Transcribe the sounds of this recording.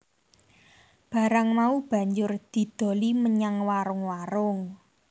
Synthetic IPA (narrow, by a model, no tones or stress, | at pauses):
b̥a̤ɾaŋmaub̥ä̤ɲd͡ʒʊrd̪̥i̤d̪̥o̤liməɲaŋwaɾʊŋwaɾʊŋ